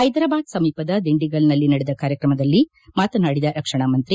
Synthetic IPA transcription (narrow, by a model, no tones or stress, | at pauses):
ɐjd̪ɾaːbaːd̪sɐmiːpɐd̪ɐd̪iɳɖiɡɐlnɐlːinɐɽɛd̪ɐkaːɾjɐkɾɐmɐd̪ɐlːi | maːt̪ɐnaːɽid̪ɐɾɐkʂɐɳ̃aːmɐnt̪ɾi